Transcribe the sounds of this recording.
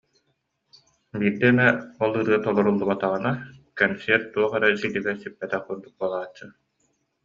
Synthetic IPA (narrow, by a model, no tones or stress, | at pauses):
biːɾd̪ɛnɛɔlˠɯɾɯɐt̪ɔlˠɔɾulˠːubat̪aʁɯnakɛnsɛɾt̪̚t̪ːuɔχɛɾɛsid̪iɡɛɾsypːɛt̪ɛχuɾd̪uk̚buɔlˠaːt͡ɕːɯ